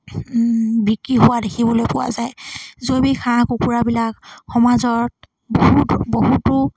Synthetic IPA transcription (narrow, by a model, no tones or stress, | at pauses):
bikɹiɦʊwadekʰibɔlojpʊwa̰zajzobikʰãkukuɹabilakxɔmazɔɹt̚ | boɦutboɦutʊ